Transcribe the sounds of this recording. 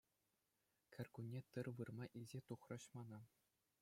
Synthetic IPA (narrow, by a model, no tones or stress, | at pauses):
kʰʲɘ̆rʲkunʲːet̪ɯrʋɯrmɑʔilʲzʲet̪uχrɤ̆ɕmɑnɑ